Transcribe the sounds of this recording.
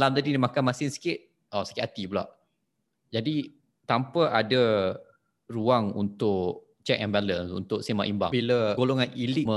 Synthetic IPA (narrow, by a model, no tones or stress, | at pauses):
lamt̪adidimakanmasɪŋsi̥kɪt̪̚ | ɔsi̥kɪt̪at̪ibula̰ʔ | d͡ʒadi | t̪ampəʔadə | ruaŋṵnt̪ʊʔ | t͡ʃɛk̚ɛmbalənsṵnt̪ʊksima̰ʔimba̰biləɡoloŋanilimə